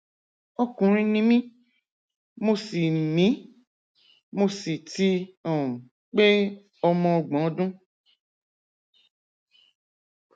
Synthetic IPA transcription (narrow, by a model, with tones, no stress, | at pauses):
o˦kũ˨˧ɾ̃ĩ˧˦nĩ˦mĩ˦ | mo˧si˨mĩ˨˦ | mo˧si˨ti˧ɔ̃˨ | k͡pe˦ | ɔ˧mɔ̃˧ɔ˧ɡ͡bɔ̃˨˦dũ˦